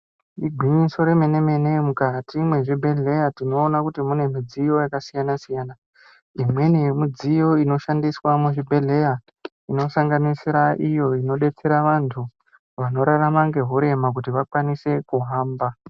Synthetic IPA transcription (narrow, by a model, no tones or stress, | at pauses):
iɡʱwiɲiso̞ɾe̞mene̞me̞nemukatimwe̞ʐibʱe̞ɮe̞jatino̞ːnakutimune̞mid͡zijo̞jakasijanasijaːna | imwe̞nemid͡zijo̞ino̞ʃandiswamuʐibʱe̞ɮe̞ja | ino̞saŋɡanisiɾaʔijo̞ino̞ɗe̞t͡se̞ɾaʋantʰu | ʋano̞ɾaramaŋɡe̞ɦuɾe̞mak̬utiʋakwanise̞kuɦaːmba